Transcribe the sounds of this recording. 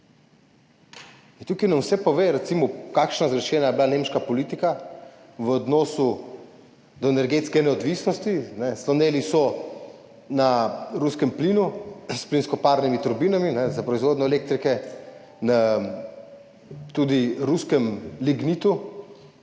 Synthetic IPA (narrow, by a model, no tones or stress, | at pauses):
int̪ukinamwsɛpɔʋeːɾɛt̪simɔkakʃnazɡɾɛʃɛːnajɛblanemʃkapɔlit̪ika | ʋəɔd̪nɔːsu | d̪ɔenɛɾɡet̪skɛnɛɔd̪ʋisnɔst̪inɛslɔneːlisɔ | naɾuskɛmplinusplinskɔpaːɾnimit̪uɾbinaminɛzapɾɔizʋoːd̪nʲɔɛlek̚t̪ɾikɛ | na | t̪ud̪iɾuskɛmliɡnit̪u